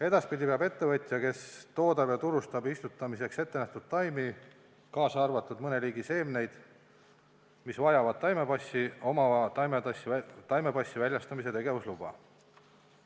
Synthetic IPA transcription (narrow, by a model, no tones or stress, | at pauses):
e̞d̪̥ɑspid̪ʲipeɑbe̞t̪ːe̞vɤt̪ʲːˑjɑke̞st̪o̞ːd̪ɑb̥jɑt̪uɾust̪ɑbist̪ut̪ˑːɑmise̞kse̞t̪ːe̞næht̪ud̪̥t̪ɑjmi | kɑːsɑɑrvɑt̪ːˑud̪̥mɤneliːɡise̞ːmne̞jd̪̥ | misvɑjɑvɑd̪̥̚t̪ːɑjmepɑsʲːiomɑt̪ɑjmet̪ɑst̪ɑjme̞pɑsʲːivælʲjɑst̪ɑmis̬e̞t̪e̞ɡe̞vuslubɑ̰